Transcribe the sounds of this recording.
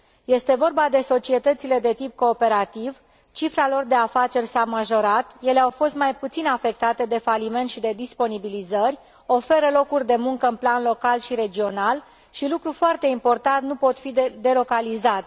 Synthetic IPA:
je̞st̪e̞vo̞rbad̪e̞so̞t͡ʃie̞t̪ət̪sile̞d̪e̞t̪ip̚ko̞ːpe̞ɾat̪iv | t͡ʃifɾalo̞rd̪e̞afat͡ʃe̞rʲsamaʒo̞ɾat̪je̞le̞awfo̞st̪majput̪sinafe̞k̚t̪at̪e̞d̪e̞falime̞nt̪ʃid̪e̞d̪ispo̞nibilizərʲ | o̞fe̞ɾəlo̞kurʲd̪e̞muŋkəɨnplanlo̞kalʃiɾe̞d͡ʒio̞nal | ʃilukɾufoart̪e̞impo̞rt̪ant̪nupo̞t̪fid̪e̞lo̞kalizat̪e

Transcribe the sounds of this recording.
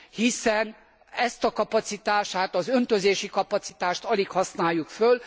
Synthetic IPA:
hisɛn | ɛst̪ɒkɒpɒt̪sit̪aːʃaːt̪ɒzø̞nt̪øzeːʃikɒpɒt̪si̥t̪aːʃt̪ɒlikhɒsnaːjːukføl

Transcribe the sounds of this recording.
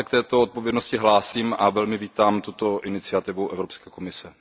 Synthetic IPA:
ɛkt̪ɛːt̪oot̪̚povjɛdnoscɪɦlaːsiːmavɛlmɪviːt̪aːmt̪ut̪oʔɪnɪt͡sɪat̪ɪvuʔɛvɾopskɛːkomɪsɛ

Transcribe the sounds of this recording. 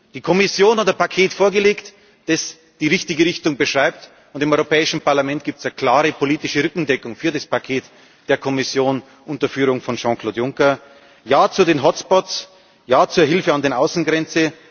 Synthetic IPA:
d̥iːkʰɔmɪsjoːnhatdəɐpʰakʰeːtfoːɐɡəleːkt | d̥ɛs | d̥iːʁɪçtɪɡəʁɪçtʊŋbəʃʁ̥aɪp̚t | ʊntɪmɔʏʁopʰɛːɪʃn̩pʰaɐlamɛntɡ̥iːp̚tsakʰl̥aːʁəpʰoliːtɪʃəʁʏkŋ̩dɛkʊŋfyːɐdaspakʰeːt | d̥eːɐkʰɔmɪsjoːn | ʔʊntɐfyːʁʊŋfɔnʃɑ̃kʰl̥oːtjʊŋkɐ | jaːt͡sudeːnɦɔtspɔts | jaːt͡suːɐɦɪlfəandeːnʔaʊsn̩ɡʁɛnt͡sə

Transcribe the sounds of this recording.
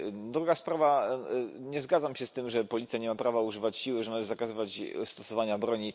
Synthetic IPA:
d̪ɾuɡaspɾava | ɲɛzɡad̪zamɕɛst̪ɘmʐɛpɔlʲit̪sʲjaɲɛmapɾavauʐɘvat͡ɕɕiwɘʐɛnalɛɛzakazɘvat͡ɕst̪ɔsɔvaɲabɾɔɲi

